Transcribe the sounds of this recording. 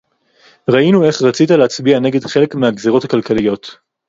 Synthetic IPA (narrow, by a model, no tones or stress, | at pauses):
ʁainue̞χʁat͡sitaleat͡sbiane̞ɡe̞dχe̞le̞kmeaɡzeʁo̞thakalkalijo̞t